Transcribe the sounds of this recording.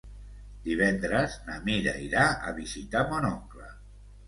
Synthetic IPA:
d̪iβ̞ɛnd̪ɾəznamiɾa̰iɾaə̰βizit̪amonɔŋklə̰

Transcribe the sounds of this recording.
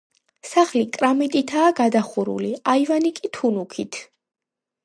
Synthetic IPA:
saχlikʼɾamit̪ʼit̪ʰaːɡad̪aχuɾṵliaivanikʼit̪ʰunukʰit̪ʰ

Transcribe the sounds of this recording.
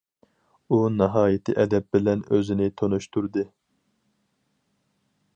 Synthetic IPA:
unɑɦɑːjɪt̪ʰɨʔɛd̪ɛp̚bɪlɛnøzɪnɪt̪ʰonuʃt̪ʰuɾd̪ɨ

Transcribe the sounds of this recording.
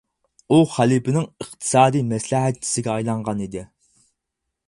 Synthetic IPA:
uχælˠipɪnɪŋəχt̪ʰɨ̥sɑːd̪ijmɛslɪɦæt̪̚t͡ʃʰi̥sɪɡʲɛɑjlˠɑɴʁɑnid̪ɪ

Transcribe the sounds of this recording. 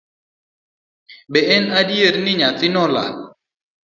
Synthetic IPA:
bɛʔɛnadjeɾnɪɲat͡sɪnɔla̰l

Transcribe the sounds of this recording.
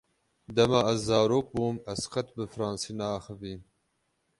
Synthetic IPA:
d̪ɐmaazːɑːɾoːk̚buːmɐsqɐt̪̚bɨfɾɑːnsinaːxəviː

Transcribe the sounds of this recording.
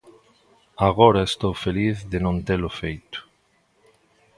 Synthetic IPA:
aɣoɾaest̪owfeliθðenõnt̪elʊfejt̪ʊ̥

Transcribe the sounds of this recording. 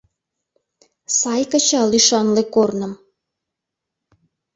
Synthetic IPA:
sɑjkət͡ɕɑlyʃɑnlekornə̆m

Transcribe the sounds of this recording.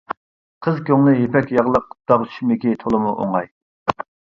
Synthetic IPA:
qʰəzkʲʰøŋlˠɨjepɛkʲjɑʁlˠəq̚d̪̥ɑʁt̪ʰʃmɪkʲit̪ʰolˠɨmuʔo̰ŋɑj

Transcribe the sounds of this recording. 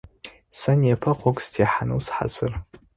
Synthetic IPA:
sanjapʰaqʷʰokʼstʰiħanɨwsħa̰zɨr

